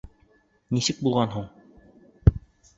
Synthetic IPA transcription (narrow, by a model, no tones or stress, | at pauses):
nisɘk̚bulˠʁɑnɦuɴ